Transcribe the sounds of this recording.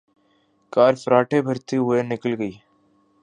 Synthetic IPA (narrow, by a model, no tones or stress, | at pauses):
kaːɾfəɾaːʈʰebʱɐɾt̪ʰiɦʊenɪkəlɡəiː